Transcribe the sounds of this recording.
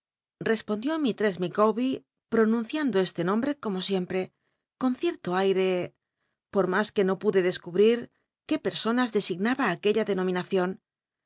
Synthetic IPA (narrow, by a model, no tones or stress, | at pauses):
re̞spo̞nd̪jo̞mit̪ɾe̞zmikoβi | pɾo̞nũn̟θjand̪oe̞st̪enõ̞mbɾe̞ko̞mo̞sje̞mpɾe̞ | ko̞nθje̞ɾt̪oajɾe̞ | po̞ɾmaske̞no̞puðe̞ðe̞skuβɾiɾ | ke̞pe̞ɾso̞nazðe̞siɣnaβaːkeʎaðe̞no̞mĩnaθjo̞n